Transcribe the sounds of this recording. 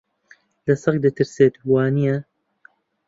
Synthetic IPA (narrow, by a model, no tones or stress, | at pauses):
lɐsɐk̚d̪ɨt̪ʰɨɾseːt̪waːnijɐ